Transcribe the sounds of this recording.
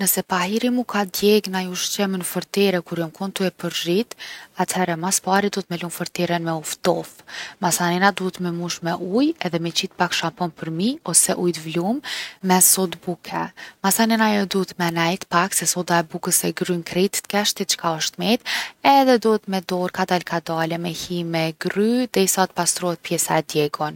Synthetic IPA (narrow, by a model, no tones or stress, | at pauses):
nəsɛpahiɾimukʰad̪jɛɡnajuʃt͡ɕɛmənəfəɾt̪ɛɾɛkuɾjɔmkʰɔnt̪uɛpəɾʒit̪at̪hɛɾɛmaspaɾid̪uət̪mɛlumfəɾt̪ɛɾɛnmɛuft̪ɔfmasanɛnad̪uɦət̪mɛmuʃmɛʔujɛðɛmɛt͡ɕit̪̚pakʃapɔnpəɾmiɔsɛʔujt̪vlumːɛsɔd̪bukʰɛmasanɛnajɔd̪uɦət̪mɛnɛjt̪paksɛsɔd̪aɛbukəsɛɡɾynkɾit̪t̪kɛʃt̪it̪̚t͡ʃkaɔʃt̪mɛt̪ɛðɛd̪uhət̪mɛd̪ɔɾkad̪alkad̪alɛmɛhimɛɡɾyd̪ɛisat̪̚past̪ɾɔhɛt̪̚pjɛsaɛd̪jɛɡɔn